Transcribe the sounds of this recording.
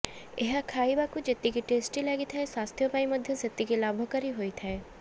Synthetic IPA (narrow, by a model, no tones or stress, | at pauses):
eɦakʰaːibaːkud͡ʒɪt̪ːikiʈeːsʈilɛːɡit̪ʰɛswaːst̪ʰjopaːimɐd̪ʱjɐsɪt̪ːikilaːbʱokɐɾiɦoːit̪ʰɛe